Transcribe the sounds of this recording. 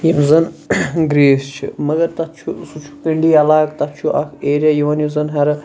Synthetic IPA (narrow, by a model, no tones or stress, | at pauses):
jimzɨnɡɾiːst͡ʃʰḭmɐɡɐɾt̪ɐt̪̚t͡ʃʰusut͡ʃʰu̥kɐɳɖiːɐlaːkt̪ɐt͡ʃʰuʔɐ̰kʰeːɾʲajiʋɐnjizɐnɦɐɾɨ